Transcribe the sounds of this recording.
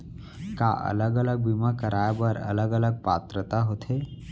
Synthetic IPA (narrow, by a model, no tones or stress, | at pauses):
ka̰ːʔɐ̰ləɡələɡ̚bimakəɾaːjbəɾɐ̰ləɡələɡ̚paːt̪ɾət̪aɦoːt̪ʰɦeː